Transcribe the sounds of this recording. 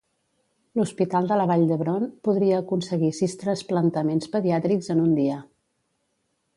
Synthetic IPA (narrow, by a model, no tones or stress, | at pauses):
luspit̪alˠd̪ələβ̞aʎd̪əβɾonpuðɾiəːkunsəɣisist̪ɾənsplənt̪əmenspəðiat̪ɾikzənund̪iə